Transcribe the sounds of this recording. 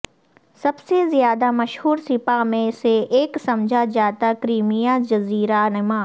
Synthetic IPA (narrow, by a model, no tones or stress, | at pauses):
sɐbsezjaːd̪amɐʃhuːɾsɪpamẽseeːksɐmd͡ʒʱad͡ʒaːt̪akɾiːmijad͡ʒɐziːɾanɪmãː